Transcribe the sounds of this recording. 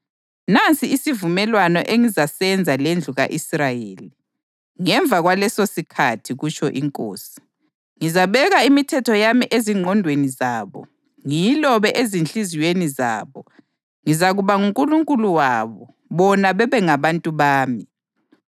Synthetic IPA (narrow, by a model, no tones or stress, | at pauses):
nant͡sʼiːsivumɛlwanɔʔeŋizasɛnd͡zʱalend͡ɮʱuɣa̰ʔisrajeːli | ŋɛɱb̪vʱaɣwalɛsosikʰatʰiɣut͡ʃʰʼɔʔiŋkʼo̰ːsi̥ | ŋizaβɛɣaimitʰɛtʰɔjamiʔeziŋ͡ǃʱɔndʱwenizaːβɔ̰ | ŋijilɔβɛʔezinɬiziwenizaːβɔ | ŋizaɣuβaŋuŋkʼuluŋkʼuluwaβɔ | βɔnaβɛβɛŋaβantʼuβaːmi